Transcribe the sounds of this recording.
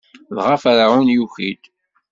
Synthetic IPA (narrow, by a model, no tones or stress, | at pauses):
ðʁafaɾaʕunjuçid̪